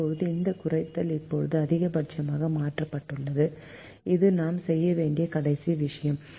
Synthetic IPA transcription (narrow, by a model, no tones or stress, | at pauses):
ɔɻɯðɯɪnd̪ɐkʊrɐɪt̪ːɐlɪpːɔɻɯðɯɐðɪɣɐbɐʈ̚t͡ʃːɐmaːɣɐmaːʈrɐpːɐʈːɯɭːɐðɯ | ɪðɯnaːmsɛjːɐʋeːɳɖɪjɐkɐɽɐɪsiʋɪʂɐjɐm